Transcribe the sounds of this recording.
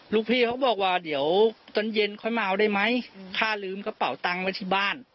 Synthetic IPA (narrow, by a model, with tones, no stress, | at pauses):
luː˧˩k̚pʰiː˧˩kʰa˦˥wbɔː˨˩k̚waː˧di˨˦əwt̪ɔ˧˩nje˧nkʰɔ˧˩jmaː˧ʔa˧wdaː˥˩jma˦˥jkʰaː˥˩lɯː˧mka˧˥pa˨˩˦wt̪a˧ŋwa˦˥jt̪ʰiː˧˥˩baː˥˩n